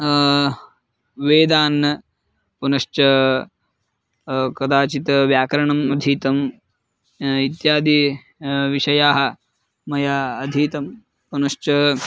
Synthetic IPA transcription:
ʋeːd̪aːnːɐ | punɐʃt͡ʃɐ | kɐd̪aːt͡ʃit̪ɐʋjaːkɐɾɐɳɐmɐd̪ʱiːt̪ɐm | it̪jaːd̪i | ʋiʃɐjaːɦɐ̆ | mɐjaːd̪ʱiːt̪ɐm | punɐʂt͡ʃɐ

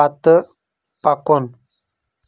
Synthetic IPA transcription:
at̪ə | pakon

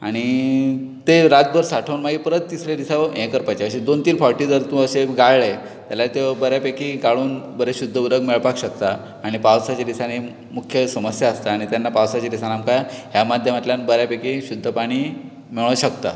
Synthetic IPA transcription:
a̰ɽ̃i | t̪eɾat̪̚bəɾsaʈʰəwnmaɡipəɾət̪ːisɾed̪isaʋẽkəɾpat͡ɕaəɕid̪ont̪iːlfɔɾʈiːd̪əɾt̪ũəɕeɡaɭɭe | t̪jaljat̪eʋəbəɾjapekiɡaɭuːnbəɾeɕud̪ʱːəuɾəɡmeɭpakɕək̚t̪aː | ɽ̃ipawsat͡ɕad̪isane | mukʰjəsəməsjaəst̪aːɽ̃it̪janːapawsat͡ɕad̪isanamkaɦjamad̪ʱjəmat̪ljanbəɾjapekiɕud̪ʱːəpaɽ̃iː | miɭ̃əɕəkt̪a̰

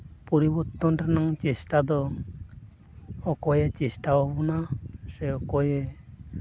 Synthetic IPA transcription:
pɔɾibɔɾt̪ɔnʈanaŋt͡ʃesʈad̪ɔ | ɔkɔjet͡ʃesʈaɦobɔnasɛɔkɔje

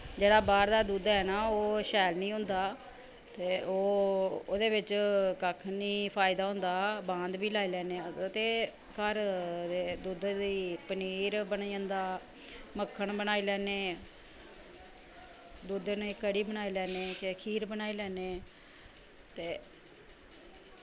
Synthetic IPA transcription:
d͡ʒeːɽaːbaːɾd̪aːd̪uːd̪ɛːnaːoːʃɛːlnĩːɦʊ̃nd̪aː | t̪eːoːoːd̪eːbɪt͡ʃkəkʰniːpʰaːɪd̪aːɦʊ̃nd̪aːbãːnd̪biːlaːiːlɛːneːt̪eː | kəɾd̪eːd̪uːd̪d̪iːpəniːɾbəniːə̃ːnd̪aː | məkʰːəɳbənaːiːlɛːneː | d̪uːd̪neːkəɽiːbənaːiːlɛːneːkekʰiːɾbənaːiːlɛːneː | t̪eː

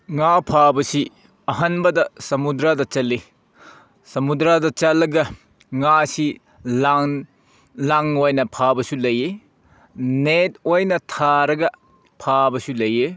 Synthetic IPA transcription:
ŋapʰabɐsi | ɐɦɐnbɐdɐsɐmudɾadɐt͡ʃɐlːi | sɐmudɾadɐt͡ʃɐlːɐɡɐ | ŋasi | l | laŋojnɐpʰabɐsulɐje | net̚ojnɐtʰaɾɐɡɐ | pʰabɐsulɐje

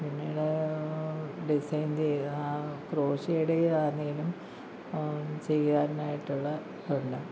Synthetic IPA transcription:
pinːiːɽe | ɖisɐjnt͡ɕejakro̞ːɕɐjuɽeaːniːilum | t͡ɕe̞jaːnnaːjiʈːuɭːɐ | peɳɖɐm

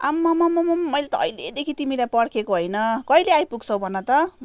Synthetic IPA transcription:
amːamamamamːʌjlet̪ʌʌ̰jled̪ekʰit̪imilajpʌɽkʰekoɦojnʌkʌileajpuɡt͡sʰʌwbʱʌnʌt̪ʌ

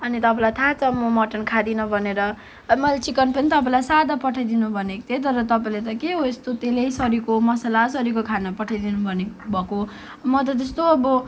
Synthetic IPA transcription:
ʌnit̪ʌpãlajt̪ʰat͡sʰʌmʌmʌʈʌnkʰad̪inʌbʱʌneɾʌ | mʌlat͡sikʌnpʌnit̪ʌpãlajsad̪apʌʈʰajd̪inubʱʌnekt̪ʰet̪̬ʌɾʌt̪ʌpaĩlet̪ʌkeɦoest̪ot̪elejsʌɾikomʌsalasʌɾikokʰanʌpʌʈʰajd̪inubʱʌnebʱʌko | mʌt̪̬ʌd͡z̪ʌst̪oʌbʌ

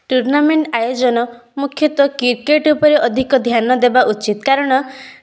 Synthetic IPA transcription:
ʈuɾnameɳʈajod͡ʒɔnɔ | mukʰjɔt̪ɔkiɾkeʈupɔɾeʔɔd̪ʱikɔd̪ʱjanɔd̪ebaʔut͡ʃit̪kaɾɔɽ̃ɔ

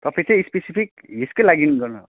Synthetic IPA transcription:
t̪ʌpʰẽt͡sẽispesipʰik | ɦiskolaɡinɡʌrnʌ

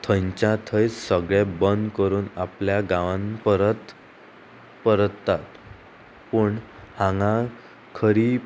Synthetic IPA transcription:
t̪ʰəɲt͡ɕãt̪ʰəjt͡ssəɡɭebənd̪kəɾuːnapljaɡãʋãnpəɾət̪ | pəɾt̪ːat̪ | pəɳhãŋɡa | kʰəɾiː

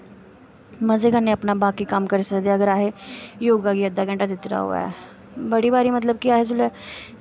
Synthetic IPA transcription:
məzeːɡənːẽəpnabaːkikəmkəɾesəkd̪eɐɡəɾaːɦejoːɡaːɡiəd̪ːaːɡə̃ɳʈad̪ɪt̪ɾa̰ɦo̰ːa̰ɛ̰ | bəɽiːbaːɾimət̪ləb̚kiaːɦezʊlɛː

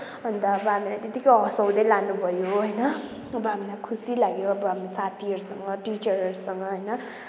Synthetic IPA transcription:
ʌnt̪ʌːbʌɦamilajt̪et̪ikʌɦʌsʌwd̪ʌjlanubʱʌjoɦʌjnʌ | ʌbʌɦamilajkʰusilaɡoʌbʌɦamisat̪iʌɾusʌŋɡʌʈit͡ʃʌɾʌɾusʌŋɡʌɦʌjnʌ

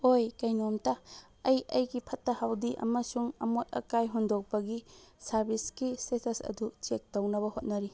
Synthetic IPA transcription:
ojkɐjnomtɐ | ɐjɐjɡipʰɐtːɐhawdiʔɐ̰mɐsuŋɐ̰mot̚ɐ̰kajɦundok̚pɐɡisɐɾbiskisesesɐ̰dut͡ʃek̚townɐbɐhot̚nɐɾi

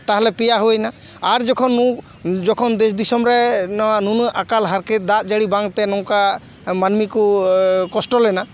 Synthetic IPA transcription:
t̪aɦalɛpɛjaɦojnaː | ɾd͡ʒɔkʰɔnːu | d͡ʒɔkʰɔnd̪ɛsd̪isɔmɾɛnɔwanunujʔakalɦaɾket̪̚d̪at̪̚d͡ʒaɽibaŋt̪ɛnɔ̃ka | manmikukɔsʈɔlɛna

